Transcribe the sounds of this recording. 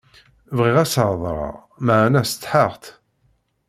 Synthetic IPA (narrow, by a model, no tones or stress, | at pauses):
vʁiʁæsəʕðˤɾˤɑ̰ʁ | maʕnæst͡s̪ːħəʁt̪